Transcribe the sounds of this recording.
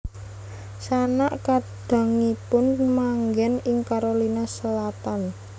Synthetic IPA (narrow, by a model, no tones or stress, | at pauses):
sanaʔkaɖ̥a̤ŋipʊnmaŋɡɛnɪŋkaɾolinasəlat̪an